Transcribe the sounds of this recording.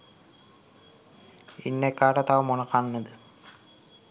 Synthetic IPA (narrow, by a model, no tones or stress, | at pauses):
ḭnːekːaːʈɐt̪aʋɐmoɳɐkaɳnːɐd̪ɨ